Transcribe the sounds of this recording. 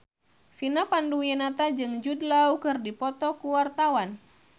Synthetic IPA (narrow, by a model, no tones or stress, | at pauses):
finapandujɛnat̪ad͡ʒɨŋd͡ʒudlaukɨrdipɔt̪ɔkuwart̪awan